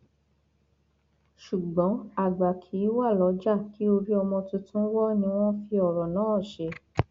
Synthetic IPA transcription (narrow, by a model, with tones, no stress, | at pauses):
ʃu˨ɡ͡bɔ̃˨˦a˦˨ɡ͡ba˨kʰi˨˦wa˦˨lɔ˨˧˦d͡ʒa˦˨ki˨˦o˧ɾi˦ɔ˧mɔ̃˧tũ˧tũ˦wɔ˦nĩ˧w̃ɔ̃˦fi˧ɔ˨ɾɔ˨nã˨˦˨ʃe˧˦